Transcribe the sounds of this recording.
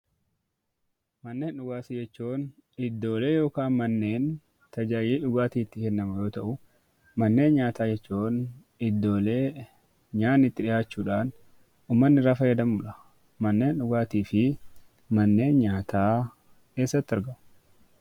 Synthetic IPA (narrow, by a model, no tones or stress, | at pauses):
mɐnːeːnᶑʊɡaːsɪd͡ʒɛt͡ʃːoːn | ɪd̪ːo̞ːle̞ːjo̞ːkaːnmɐnːe̞ːn | t̪ɐd͡ʒaːjiːᶑʊɡaːt̪iːt̪ːɪkɛnːɐmɐjo̞ːt̪ɐʔʊ | mɐnːe̞ːnɲaːt̪aːd͡ʒɛt͡ʃːoːn | ɪd̪ːo̞ːle̞ː | ɲaːnːɪt̪ːɪᶑɪjaːt͡ʃːuːᶑaːn | uːmːɐnːɪɾaːfɐjɐd̪ɐmʊᶑɐ̥ | mɐnːeːnᶑʊɡaːt̪iːfɪ | mɐnːe̞ːnɲaːt̪ʰaː | ke̞ːsːɐt̪ːɪɐɾɡɐmʊ